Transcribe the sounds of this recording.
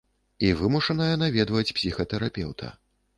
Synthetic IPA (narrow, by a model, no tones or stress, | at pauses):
ivɨmuʂɐnɐjɐnavʲɛd̪vɐt͡sʲpsʲixɐt̪ɛɾapʲɛ̰wt̪ʰɐ̰